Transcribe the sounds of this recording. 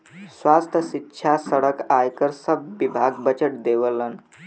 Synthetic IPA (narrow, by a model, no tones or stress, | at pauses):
sʋast̪ʰəsitːɕʰasəɽəkajkəɾsəbːibʱaɡbət͡ɕəʈ̚d̪eʋələn